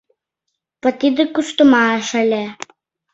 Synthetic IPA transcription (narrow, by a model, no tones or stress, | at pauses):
pə̆t̪id̪ɘkuʃt̪umɑəʃə̆lʲe